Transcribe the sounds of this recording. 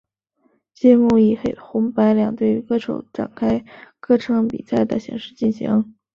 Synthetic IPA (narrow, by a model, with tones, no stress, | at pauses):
t͡ɕjɛ˥mu˥˩i˨˩xe˧˩ɪxʊ˧˥ŋpa˧˥ɪljɑ̰˨˩ŋt̪we˥˩ɪy˧˥kɤ˥˩ʈ͡ʂʰo˧˥ʊʈ͡ʂa̰˨˩nkʰa˥ɪkɤ˥˩ʈ͡ʂʰɤ˧˥ŋpḭ˨˩sa˥˩ɪd̪ə̰˩ɕjɛ̰˧˥ŋʂɻ̩˥˧t͡ɕi˥˩nɕḭ˧˥ŋ